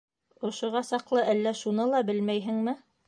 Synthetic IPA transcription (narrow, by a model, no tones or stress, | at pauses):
ŏʃŏʁɑsɑqlˠɤʔælːæʃunɤlˠɑbɘlmæjɦɘ̆ŋmɘ